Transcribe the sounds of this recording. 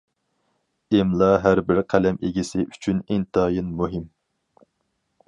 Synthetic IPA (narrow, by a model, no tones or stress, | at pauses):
ɪmlˠɑɦæɾbɪɾqʰælɛmeɡʲisɪʔyt͡ʃʰynɪŋt̪ʰɑːjinmuɦɪm